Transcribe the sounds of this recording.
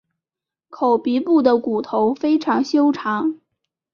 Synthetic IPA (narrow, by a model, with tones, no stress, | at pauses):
kʰo˨˩ʊpi˧˥pu˥˩d̪ə˩ku˨˩t̪ʰo˧˥ʊfe˥ɪʈ͡ʂʰɑ˧˥ŋɕjo˥ʊʈ͡ʂʰɑ˧˥ŋ